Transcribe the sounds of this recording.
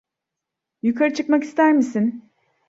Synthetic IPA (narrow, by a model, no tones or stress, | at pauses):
jukʰaɾɯt͡ʃʰɯkmaki̥st̪ʰæɾmisin